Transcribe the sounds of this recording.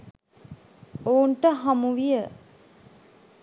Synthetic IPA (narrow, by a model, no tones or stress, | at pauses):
ouɳʈəɦamuʋijə